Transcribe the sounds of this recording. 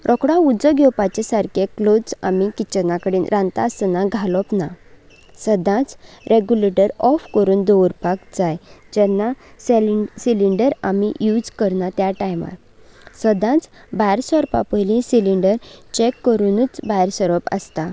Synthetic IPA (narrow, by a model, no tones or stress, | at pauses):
ɾʔɔkɽaud͡zəɡɔwpat͡ɕesaɾkʰeklod͡za̰mikit͡ɕənakəɽiːnɾʔãnt̪asnaɡʱalɔpna̰ | səd̪ʱãt͡sɾʔeɡjuleʈəɾɔfkəɾuːnd̪ɔʋəɾpakd͡zajd͡ʑɛnːassiliɳɖəɾamijud͡zkəɾnat̪jaʈajma̰t | səd̪ʱãt͡sbajɾsəɾpa̰pəjlĩsiliɳɖəɾt͡ɕekːəɾunut͡sbajɾsəɾɔpə̰st̪a